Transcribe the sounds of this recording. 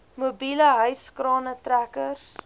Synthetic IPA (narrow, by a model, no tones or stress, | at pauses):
mubiləɦœɥskrɑːnətrækərs